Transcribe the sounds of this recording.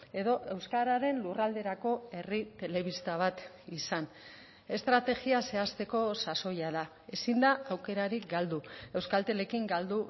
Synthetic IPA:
e̞ðo̞ʔe̞wskaɾaɾe̞nlurald̪e̞ɾako̞e̞rit̪e̞le̞β̞ist̪aβ̞at̪ | isan | e̞st̪ɾat̪e̞ɣiase̞ast̪e̞ko̞saso̞jaða | e̞sind̪aawke̞ɾaɾikɡald̪ue̞wskalt̪e̞le̞kiŋɡald̪u

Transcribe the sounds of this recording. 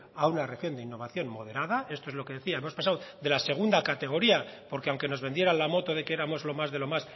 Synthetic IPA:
aunare̞xjo̞nd̪einːo̞β̞aθjo̞nmo̞ð̞e̞ɾaðae̞st̪o̞ezlo̞ke̞ðeθiaemospasawðe̞lase̞ɣ̞und̪akat̪e̞ɣ̞o̞ɾiapo̞ɾkeawŋke̞no̞zβend̪je̞ɾanlamo̞t̪oðe̞keeɾamo̞zlo̞mazðe̞lo̞mas

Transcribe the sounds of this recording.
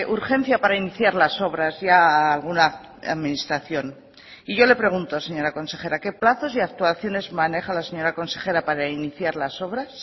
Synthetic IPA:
ʔuɾxẽ̞n̟θjapaɾainiθjaɾlaso̞βɾazʝaːlɣ̞una | aðminist̪ɾaθjo̞n | iʝo̞le̞pɾe̞ɣ̞unt̪ose̞ɲo̞ɾako̞nse̞χe̞ɾake̞plaθo̞siak̚t̪uaθjo̞ne̞zmãne̞xalase̞ɲo̞ɾako̞nse̞χe̞ɾapaɾainiθjaɾlaso̞β̞ɾas

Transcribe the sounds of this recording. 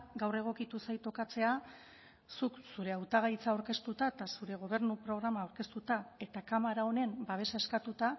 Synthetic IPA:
ɡawre̞ɣ̞o̞kit̪usajt̪o̞kat͡se̞a | suksuɾe̞awt̪aɣ̞ajt͡saoɾke̞st̪ut̪aet̪asuɾe̞ɣ̞o̞β̞e̞ɾnupɾo̞ɣ̞ɾamaːwɾke̞st̪ut̪ae̞t̪akamaɾao̞ne̞mbaβ̞e̞sae̞skat̪ut̪a

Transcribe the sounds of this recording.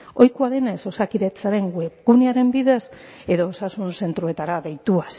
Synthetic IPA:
o̞jkuaðe̞neso̞sakiɾet͡saɾe̞ŋɡweɣuneaɾe̞mbiðes | e̞ðo̞ːsasunse̞nt̪ɾue̞t̪aɾaðejt̪ua

